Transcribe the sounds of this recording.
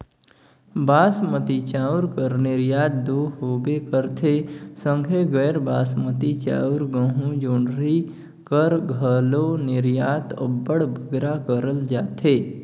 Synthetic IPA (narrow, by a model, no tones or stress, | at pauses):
baːsmət̪it͡ʃaːʊɾkəɾnɪɾjaːt̪̚d̪oːɦoːbekəɾt̪ʰesə̃ŋɡʱeɡəːɾbaːsmət̪it͡ʃa̰ːʊɾɡə̃ɦũd͡ʒoːɳɾi | kəɾɡʱəlonɪɾjaːt̪ə̰bːəɽbʱəɡɾakəɾəld͡ʒaːt̪ʰeː